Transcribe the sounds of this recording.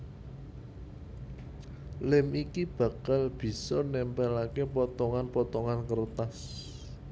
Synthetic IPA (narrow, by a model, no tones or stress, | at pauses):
lɪmikib̥ä̤kalb̥i̤sɔnɛmpɛlakepɔt̪ɔŋanpɔt̪ɔŋankərt̪as